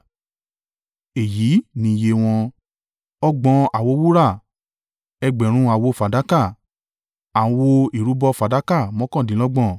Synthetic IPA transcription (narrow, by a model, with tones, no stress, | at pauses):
e˨jiː˨˦nĩ˧je˧˦w̃ɔ̃˧ | ɔ˦ɡ͡bɔ̃˧a˨wo˧˦wu˦ɾa˦˨ | ɛ˧ɡ͡bɛ˨ɾ̃ũ˧a˨wo˧fa˨da˨˦ka˦˨ | ã˨˧wo˧i˨ɾu˨˦bɔ˧fa˨da˨˦ka˦˨mɔ̃˦kɔ̃˦˨dĩ˨˦lɔ˦ɡ͡bɔ̃˦˨